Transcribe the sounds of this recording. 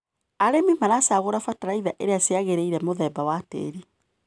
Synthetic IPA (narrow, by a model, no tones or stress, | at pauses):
aɾemimaɾasaɣoɾafataɾaiðaʔeɾeaseaɣeɾeiɾɛmoðɛːbawatḛːɾi